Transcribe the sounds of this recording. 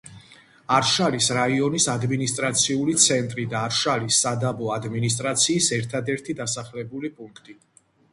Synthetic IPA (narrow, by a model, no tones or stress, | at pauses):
aɾʃalisɾaiɔnisad̪minist̪ʼɾat̪sʰiulit̪sʰɛnt̪ʼɾid̪aːɾʃalisːad̪abɔad̪minis̬t̪ʼɾat̪sʰiːsɛɾt̪ʰad̪ɛɾt̪ʰid̪asaχlɛbulipʼuŋkʰt̪ʼi